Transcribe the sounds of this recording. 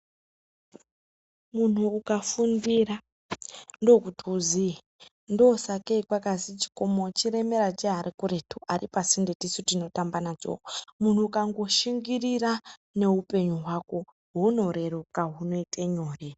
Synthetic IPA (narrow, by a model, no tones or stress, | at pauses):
mun̤uːkafundira | ndo̞kutʰiuzi | ndosakeikwakasit͡ʃi̥ko̞mot͡ʃiɾe̞me̞ɾat͡ʃeɦaɾikuretʰuʔaripasindetisutino̞tambanat͡ʃo̰mun̤uːkaŋɡo̞ʃiŋɡirirane̞ɦupe̞ɲuɦwako | ɦuno̞ɾe̞rukaɦuno̞itʼeɲoːri